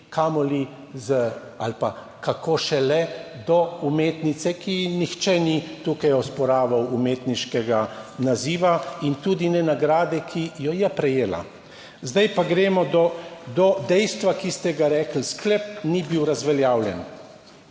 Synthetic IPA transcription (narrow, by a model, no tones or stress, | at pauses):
kʰamɔli | zə | a̰lpa | kakoːʃɛlɛd̪ɔumeːt̪nit̪sɛkinixt͡ʃɛnit̪uːkajɔspɔɾaːʋawumeːt̪niʃkɛɡanaziːʋaint̪uːd̪inɛnaɡɾaːd̪ɛkʰijɔjɛpɾɛjeːla̰ | zd̪ajpaɡɾeːmɔd̪ɔd̪ɔd̪ɛjst̪ʋakist̪ɛɡaɾɛːkl̩sklɛp̚nibiwɾazʋɛljaːwljɛ̰n